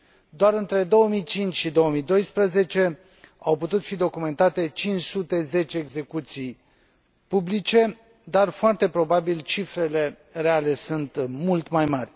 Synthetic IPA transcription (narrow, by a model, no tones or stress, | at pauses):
d̪oaɾɨnt̪ɾe̞d̪o̞wəmijt͡ʃint͡ʃʲʃid̪o̞wəmijd̪o̞jspɾəze̞t͡ʃe̞ | awput̪ut̪fid̪o̞kume̞nt̪at̪e̞t͡ʃint͡ʃsut̪e̞ze̞t͡ʃeːɡze̞kut̪sij | publit͡ʃe̞ | d̪arfoart̪e̞pɾo̞babilt͡ʃifɾe̞le̞ | re̞ale̞sunt̪mult̪majmarʲ